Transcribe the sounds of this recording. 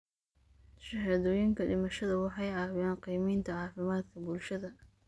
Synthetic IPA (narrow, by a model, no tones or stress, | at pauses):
ʃɐɦaːðɔːjɪŋkʰɐɖɪmɐʃɐðɐwɑħɑjɑːwjaːnqijmiːnt̪ʰɐʕɑːfɪmaːd̪kʰɐbʊlʃɐðɐ